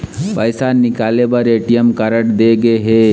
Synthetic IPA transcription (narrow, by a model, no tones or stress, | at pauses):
pɐɪsanɪkaːlebɐɾeːʈijəmkɐɾəʈd̪eɡəeɦe